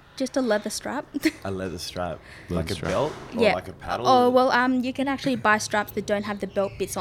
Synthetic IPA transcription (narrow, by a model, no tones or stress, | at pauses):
d̥ʒ̥ʌstəlɛðəstɹ̥æ̰p̚ʔəlɛðəstɹ̥æ̰p̚ | a̰ɪkɨbɛlˠtjæaɪkəpʰæ̰ɾlə˞wɛlˠʔʌ̃mjɨkɨ̃næk̚t͡ʃʉl̩ˠibaɪstɹ̥æpsð̥ɨt̚d̥õʊ̃ntɦɨvðɨbɛlˠt̚b̥ɪts